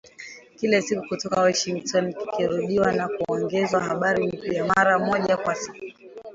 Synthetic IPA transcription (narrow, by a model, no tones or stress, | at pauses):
kilasikukutɔkawɔʃiŋktɔnki̥kiɾuɗiwanakuɔŋɡɛzwaɦaɓaɾinipijamaɾamɔʄakwasi̥ku